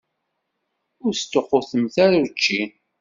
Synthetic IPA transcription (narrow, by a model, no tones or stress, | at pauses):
ʊɾst̪ːoqːʊθəmθæɾat͡ʃːin